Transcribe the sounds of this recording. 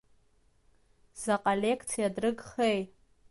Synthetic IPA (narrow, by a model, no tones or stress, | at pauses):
zaqʼalʲekʰt͡sʰijadrɨɡχej